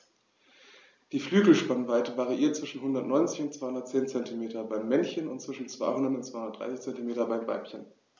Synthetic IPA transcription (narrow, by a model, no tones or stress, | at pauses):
d̥iːflyːɡl̩ʃpanvaɪtəvaʁiʔiːɐt̚t͡sv̥ɪʃn̩ɦʊndɐtnɔʏnt͡sɪçʊntt͡sv̥aɪhʊndɐtt͡seːnt͡sɛntimeːtɐbaɪmːɛnçənʊntt͡sv̥ɪʃn̩t͡sv̥a̰ɪhʊndɐtʊntt͡ssvaɪhʊnɐtd̥ʁa̰ɪsɪçt͡sɛntimeːtɐbaɪmva̰ɪpçən